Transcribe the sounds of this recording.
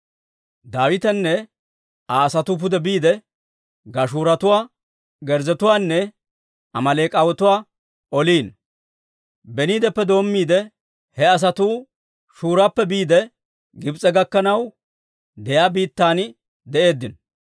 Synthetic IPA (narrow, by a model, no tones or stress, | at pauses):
d̪aːwɪt̪ɛnːɛ | aːsɐt̪uːp̬ʊd̪ɛbiːd̪ɛ | ɡɐʃuːɾɐt̪ʊwaː | ɡɛɾzɛt̪ʊwaːnːɛ | ɐmɐleːkʼɐwɔt̪ʊwaː | ʔɔliːn | bɛniːd̪ɛpːɛd̪o̞ːmːiːd̪ɛ | hɛɐs̬ɐt̪uː | ʃuːɾapːɛbiːd̪ɛ | ɡɪbt͡sʼɛɡɐkːɐnɐw | d̪ɛjaːbiːt̪ːaːn | d̪ɛʔe̞ːd̪ːɪn